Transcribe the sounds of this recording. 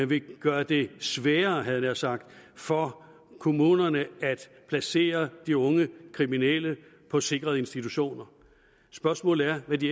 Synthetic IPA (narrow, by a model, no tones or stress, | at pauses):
ʋe̝ɡ̥ɶːɐd̥e̝sʋɛːɐɦæð̩ˠnɑ̈sɑ̈ɡ̥̚d̥fɒ | kʰo̝muːnɐnəæd̥ | pʰlæse̝̰ːɐd̥iɔ̽ŋəkʰʁiminelə | pʰɒ̽se̝ɡ̥ʁɐðˠe̝nsd̥it͡sʰuɕo̝̰ːnɐ | sb̥ɶɐsmɔ̰̽ːlæɐʋæd̥i